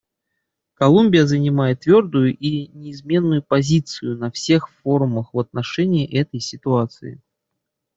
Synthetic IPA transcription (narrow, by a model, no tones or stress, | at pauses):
kɐlˠumʲbʲɪjəzənʲɪmajɪt̪ːvʲo̞rd̪ʊjʊʔinʲɪːzmʲe̞nːʊjʊpɐzʲit̪sɨjʊnɐfsʲe̞xfoɾʊməxvɐt̪̚nɐʂɛnʲɪːʔɛt̪əjsʲɪt̪ʊat̪sɨ̰ɪ̰